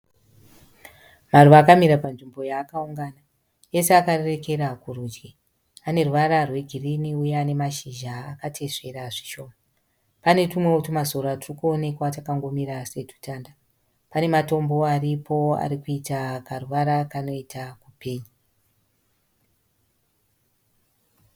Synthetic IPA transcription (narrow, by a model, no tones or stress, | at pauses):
maruʋaːkamiɾapanʐimbo̞jaːkauŋɡaːna | je̞seakare̞re̞ke̞ɾakurud͡ʒɡi | ane̞ruʋaɾarwe̞ɡʱiriniujeane̞maʃiʒaːkatʰe̞ʂe̞ɾaʐi̥ʃo̞ːma | pane̞tumwe̞otumazo̞ɾatirukuo̞ne̞kwatakaŋɡo̞miɾase̞tu̥taːnda | pane̞mato̞mbo̞aripʰo̞a̰ɾikuitakaruʋaɾakano̞itakupeːɲa